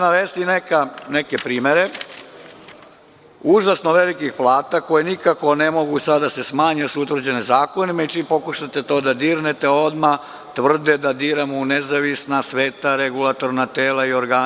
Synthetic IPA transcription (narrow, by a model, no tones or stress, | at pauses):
naʋest̪inekanekepɾiːme̞ɾe | uʒasnoʋe̞likixplˠaːt̪akojenikako̞ne̞mo̞ɡusad̪d̪ase̞smaːɲesuut̪ʋr̩d͡ʑe̞nezaːko̞nimait͡ʃiːmpo̞kuʃat̪e̞t̪o̞ːd̪ad̪iːɾnet̪eo̞d̪ma | t̪ʋr̩d̪ed̪ad̪iːɾamonezaʋisnasʋeːt̪aɾeɡulˠat̪o̞ɾnat̪eːlaio̞ɾɡaː